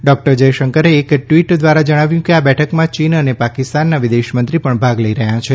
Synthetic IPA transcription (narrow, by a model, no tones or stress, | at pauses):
ɖɔk̚ʈəɾd͡ʒəjʃəŋkəɾeːkʈʋiʈd̪ʋaɾad͡ʒəɽ̃aʋjũkeabɛʈʰəkmãt͡ʃinənepakɪst̪anːaʋɪd̪eʃmənt̪ɾipəɳbʱaɡləiɾəɦjãt͡ʃʰe